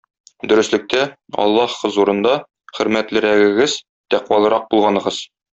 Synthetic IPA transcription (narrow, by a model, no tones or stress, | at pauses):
d̪ɵ̆ɾɘ̆slɘ̆k̚t̪æɒ̰lˠːɑhqɤzuɾɤ̆nd̪ɑ | χɵ̆ɾmæt̪lɘ̆ɾæɡɘ̆ɡɘz | t̪æqwɑlˠɤ̆ɾɑq̚bulˠʁɑnɤ̆ʁɤz̥